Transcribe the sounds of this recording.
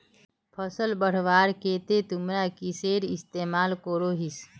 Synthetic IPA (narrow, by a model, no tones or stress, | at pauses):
pʰəsəlbəɽ̤ʋaːɾkeːt̪et̪ʊmɾakiseːɾɪst̪eːmaːlkoɾoːɦis